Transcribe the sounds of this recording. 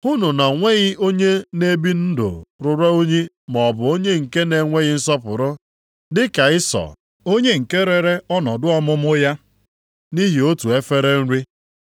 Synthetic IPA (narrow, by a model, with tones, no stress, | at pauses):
hʊ˦nʊ˨na˨ŋʷe˦ɣɪ˦ʔo˦ɲe˦ne˦bi˦n̩˦dʊ̰˨ɾʊ˨ɾa˦o˦ɲi˦ | mɔ˨bʊ˨o˦ɲe˦ŋ̩˨ke˦ne˨ŋʷe˦ɣɪ˦n̩˦sɔ˦pʊ̰˨ɾʊ˦ | dɪ˦ka˨ɪ˦sɔ̰˨ | o˦ɲe˦ŋ̩˨ke˦ɾe˨ɾe˦ɔ˦nɔ˨dʊ˦ɔ˦mʊ˦mʊ˦ja˦ | ni˦ɦi˨o˦tu˨e˦fe˦ɾe˦n̩˦ɾi˦